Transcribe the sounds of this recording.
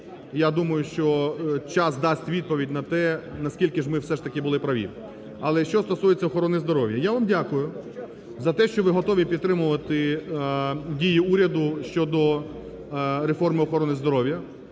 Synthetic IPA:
jad̪umɐjʊʃt͡ʃɔt͡ʃɑsd̪ɑsʲtʲʋʲid̪̚pɔʋʲidʲnɐt̪ɛnɐskʲilʲkɪʒmɪwsɛʂt̪ɐkʲɪbʊlˠɪpɾɐʋʲḭ | ɐlˠɛʃt͡ʃɔst̪ɔsujet͡sʲːɐɔxɔɾɔnɪzd̪ɔɾɔʋʲjɐjaʋamdʲakʊjʊ | zɐt̪ɛʃt͡ʃɔʋɪɦɔt̪ɔʋʲipʲid̪t̪ɾɪmʊʋɐt̪ɪ | dʲijiuɾʲɐd̪ʊʃt͡ʃɔd̪ɔ | ɾefɔrmɪɔxɔɾɔnɪzd̪ɔɾɔʋwjɐ

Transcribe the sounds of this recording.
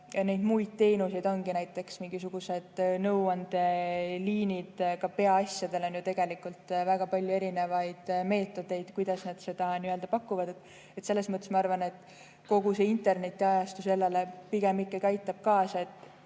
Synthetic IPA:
ne̞jd̪̥mujd̪̥̚t̪e̞ːnuse̞jd̪o̞nɡinæjt̪ːˑe̞ksmiŋɡis̬uɡ̥use̞d̪̥nɤwɑnd̪̥e̞liːnid̪̥kɑpe̞ɑɑsʲjɑd̪e̞lo̞njut̪e̞ɡ̥e̞likult̪væɡ̥ɑpɑlʲjue̞ɾine̞vɑjd̪̥me̞ːt̪ːˑo̞d̪̥e̞jd̪̥kujd̪̥ɑsned̪̥se̞d̪̥ɑniøld̪̥ɑpɑkːˑuvɑd̪e̞t̪ːˑ | et̪se̞lːesmɤt̪ːˑesmɑɑrvɑne̞t̪ːˑ | ko̞ɡ̥use̞int̪e̞rne̞t̪ːˑiɑjɑst̪use̞lːelepiɡ̥emikːˑekæjt̪ːˑɑb̥̚kɑːsɑet̪ːˑ

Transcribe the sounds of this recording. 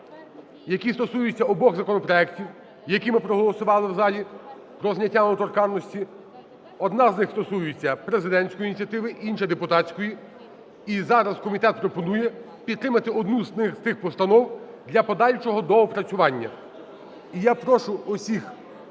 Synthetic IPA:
jɐkʲist̪ɔsujʊt͡sʲːɐɔbɔɣzɐkɔnɔpɾɔɛktʲiw | jɐkʲimɪpɾɔɦɔlˠɔsʊʋɑlˠɪwzɑlʲi | pɾɔznʲɐtʲːamɔt̪ɔrkɑnnːɔsʲtʲi | ɔd̪nɑznɪxst̪ɔsujɪt͡sʲːɐpɾezɪd̪ɛnʲsʲkɔjinʲit͡sʲjɐt̪ɪʋɪʔinʃɐd̪epʊt̪ɑsʲkɔji | izɑɾɐzkɔmʲit̪ɛt̪̚pɾɔpɔnujɛ | pʲid̪ɾɪmɐt̪ɪɔd̪nuznɪxst̪ɪxpɔst̪ɐnɔw | d̪lʲɐpɔd̪ɑlʲt͡ʃɔɦɔd̪ɔːpɾɐt͡sʲʊʋɑnʲːɐ̰ | ijapɾɔʃʊɔsʲix

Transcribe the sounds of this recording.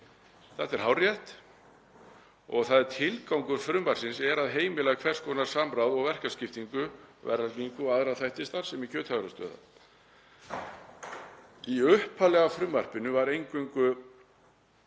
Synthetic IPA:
θaht̪ɛɾ̥ɦawrjɛht̪ | ɔ̰ɣθaðt̪ʰɪlkawŋkʏɾ̥fɾʏmvar̥sɪnsɛɾaðɦeːjmɪlɛɣkʰvɛr̥skʰɔːnaɾ̥sampɾawðɔɣvɛr̥kascɪft̪iŋkʏvɛ̰rːalc̪iŋkʏaðɾaθajht̪ɪst̪aɾ̥sɛmicʰœːt̪haɣɾast̪œ̰ːða̰ | iʏhpʰːalɛɣafɾʏmvar̥pɪnʏvaɾejŋkʏŋkʏ

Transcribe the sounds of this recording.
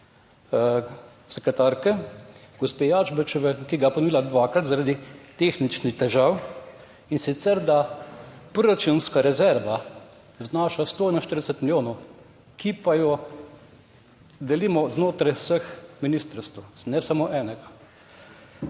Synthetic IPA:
sɛkɾɛt̪aɾkɛɡ̥ɔspejaʒbət͡ʃɔʋɛkiɡajɛpɔnɔʋiːlad̪ʋaːkɾat̪zaɾad̪it̪exnit͡ʃnixt̪ɛʒaw | insit̪sɛɾd̪apɾɔɾat͡ʃunskaɾɛzɛɾʋa | znaːʃast̪oːɛnɔʃt̪əɾd̪ɛsɛt̪miljoːnɔw | kʰipajɔ | d̪ɛlimɔznoːt̪ɾajwsəxminist̪əɾst̪wnɛsamoːʔɛːnɛɡa

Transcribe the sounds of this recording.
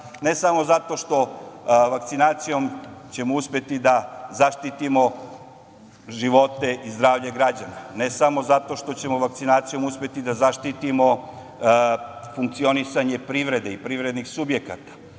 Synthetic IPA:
ne̞samo̞zat̪o̞ʃt̪o̞ʋakt̪sinaːt̪sijo̞mt͡ɕe̞mouspje̞t̪id̪azaʃt̪it̪imo̞ | ʒiʋo̞t̪e̞ʔizd̪ɾaːʋʎeɡɾad͡ʑanane̞samo̞zat̪o̞ʃt̪o̞t͡ɕe̞mo̞ʋak̚t̪sinaːt̪sijo̞muspʲje̞t̪id̪azaʃt̪it̪imo̞ | fuŋk̚t̪sio̞nisaɲe̞pɾiʋɾe̞d̪eipɾiʋɾe̞d̪nixsubjekat̪ḁ

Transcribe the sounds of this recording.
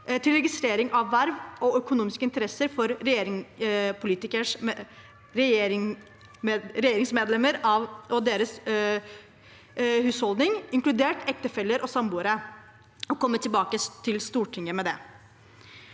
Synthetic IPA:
t̪ʰɪlɾɛɡɪst̪ɾeːɾɪŋʔɑʋːæɾʋɔœkʊnuːmɪskəɪnt̪əɾɛsːəɾfɔɾɾɛjeːɾɪŋpʰʊliːt̪ɪkəʂ | ɾɛjeːɾɪŋ | ɾɛjeːɾɪŋsmeːd̪lɛməɾɑʋʔɔd̪eːɾəs | hʉːshɔld̪nɪŋɪŋklʉd̪eːʈʰɛk̚t̪əfɛlːəɾʔɔsɑmbuːəɾə | ɔkʰɔmːət̪ʰɪlbɑːkət̪ʰɪlst̪uːʈʰɪŋːəmɛd̪ɛ

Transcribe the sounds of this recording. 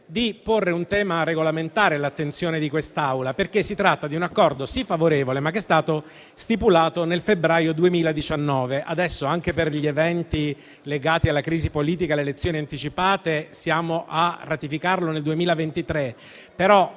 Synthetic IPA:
d̪iporːeunt̪ɛːmaɾeɡolament̪aːɾelat̪ːent̪sjoːned̪ikwest̪awlaperkesːit̪ɾat̪ːad̪iunakːɔrd̪osifːavoɾeːvolemakːɛst̪aːt̪o | st̪ipulaːt̪onelfebɾaːjod̪uemiːlad̪it͡ʃanːɔːveʔad̪ɛsːoaŋk̟eperʎievɛnt̪i | leɡaːt̪ialːakɾiːzipoliːt̪̬ikalːelet̪sːjoːniant̪it͡ʃipaːt̪esjaːmoʔarːat̪ifikarloneld̪uemiːlavent̪it̪ɾe | peɾɔ

